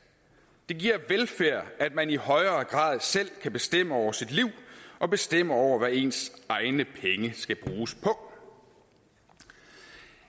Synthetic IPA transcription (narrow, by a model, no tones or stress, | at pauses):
d̥e̝ɡ̥iɐ̰ʋelfæɐ̰æd̥̚mænihɒ̽ɪɐːɡ̥ʁɑ̰̈ːð̞̩ˠsel̰kʰæb̥e̝sd̥em̰əɒʊ̰ɐsid̥liʊ̰ʔɒ̽b̥e̝sd̥em̰əɒʊ̰ɐʋæe̝̰nsɑ̈ɪnəpʰeŋəsɡ̥æb̥ʁuːspʰɒ̽